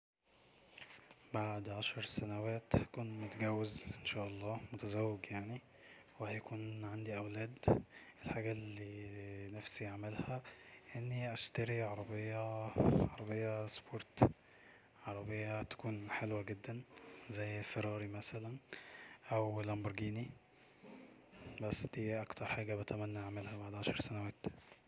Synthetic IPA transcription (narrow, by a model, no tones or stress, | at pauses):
baʕd̪ʕaʃɑɾˤsænæwæːt̪hæ̥kuːnmot̪æɡæwːezʔenʃæːʔɑlˤːɑːmot̪æzæwːeɡjaʕni | wehæjækuːnʕand̪iʔæwlæːd̪ʔelħaːɡælːiːnæfsiʔaʕmelhæʔenːiʔæʃt̪æɾiʕɑɾˤɑbejːɑʕɑɾˤɑbejːæspoːɾˤt̪ | ʕɑɾˤɑbejːɑt̪æ̥kuːnħelwæɡed̪ːænzæjːfeɾɑːɾimæsælænʔæwlæmboɾˤɡiːni | bæsːd̪̥iːʔækt̪ɑɾˤħaːɡæbæt̪æmænːæʔaʕmelhæbaʕd̪ʕaʃɑɾˤsænæwæːt̪